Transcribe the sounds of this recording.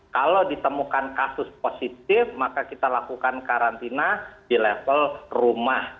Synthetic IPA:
kalodit̪əmukankasʊsposit̪̚ɪfmakakit̪alakukankaɾant̪inadilefəlrumah

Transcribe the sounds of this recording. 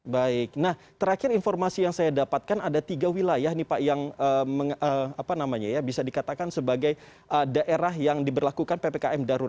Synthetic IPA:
baɪk̚nah | t̪əɾakɪɾinformasijaŋsajadapat̪̚kanadat̪iɡawilajahnipajaŋəməŋəapanamaɲajabisadikat̪akansəbaɡaj | ʔədaʔeɾaɦjaŋdibərlakukanpepekaɛmdaɾu

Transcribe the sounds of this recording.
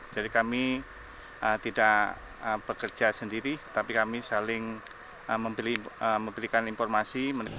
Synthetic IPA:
d͡ʒ̥adikami | ʔət̪idaʔ | əb̥əkərd͡ʒasəndiɾit̪apikamisalɪŋ | əməmbəliəməmbəɾikaninfɔrmasimən

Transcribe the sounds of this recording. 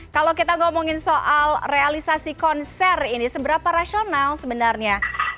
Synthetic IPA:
kalowkit̪aŋomoŋɪnsoʔalrealisasikɔnsɛrinisəbəɾapaɾasionalsəbənarɲa

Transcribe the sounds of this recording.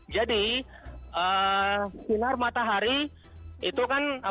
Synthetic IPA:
d͡ʒadi | ə | sinarmat̪aɦaɾi | it̪ukanə

